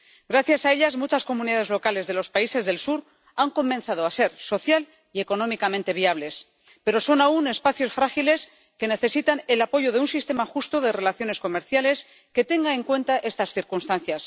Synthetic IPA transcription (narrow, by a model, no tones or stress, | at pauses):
ɡɾaθjasae̞ʎazmut͡ʃasko̞muniðaðe̞zlo̞kale̞zðe̞lo̞spaise̞zðe̞lsuɾ | aŋko̞mẽnθað̞o̞ase̞ɾso̞θjal | ie̞ko̞no̞mikament̪e̞β̞iaβ̞le̞s | pe̞ɾo̞so̞naune̞spaθjo̞sfɾaxile̞s | ke̞ne̞θe̞sit̪anelapo̞ʝo̞ð̞e̞unsist̪e̞maxust̪o̞ð̞e̞re̞laθjo̞ne̞sko̞meɾθjale̞s | ke̞t̪e̞ŋɡae̞ŋkwe̞nt̪aʔe̞st̪asθiɾkunst̪anθjas